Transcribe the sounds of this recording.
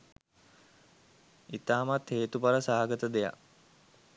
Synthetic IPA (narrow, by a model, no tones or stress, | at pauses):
it̪aːmat̪heːt̪upaɾəsaːaɡət̪əd̪eja̰